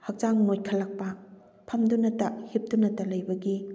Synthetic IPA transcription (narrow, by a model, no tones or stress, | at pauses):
hɐk̚d͡ʒaŋnojkʰɐlːɐk̚pɐ | pʰɐmdunɐtɐhip̚d̥unɐtɐlɐjbɐɡi